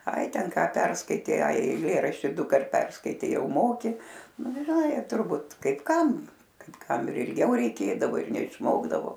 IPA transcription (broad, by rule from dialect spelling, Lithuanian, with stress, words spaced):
ˈɐɪ ˈtʲɛn ˈkɑː ˈpʲɛrskɐɪtʲɛɪ ˈɐɪ ɛɪˈlʲeːrɐʃʲtʲɪ ˈdʊkɐrt ˈpʲɛrskɐɪtʲɛɪ ˈjɛʊ ˈmoːkʲɪ nʊ ˈɡʲɪ ʒʲɪˈnɐɪ tʊrˈbuːt kɐɪp ˈkɐm kɐɪp ˈkɐm ɪr ɪlʲˈɡʲɛʊ rʲɛɪˈkʲeːdɐʋoː ɪr nʲɛɪʃˈmoːɡdɐʋoː